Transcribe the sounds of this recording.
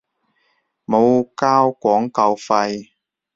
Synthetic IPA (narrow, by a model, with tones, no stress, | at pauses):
mo˨˧wkaː˥wkʷɔː˨˥ŋkɐ˧wfɐ˧j